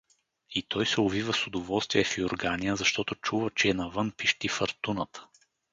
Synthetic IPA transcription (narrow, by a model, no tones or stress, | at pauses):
it̪ɔjsɛʊvivəsʊd̪ovɔlˠst̪vijɛfiʊɾɡanijəzɐʃt̪ɔt̪ʊt͡ʃuvət͡ʃɛːnɐvənpiʃt̪ifɐɾt̪unət̪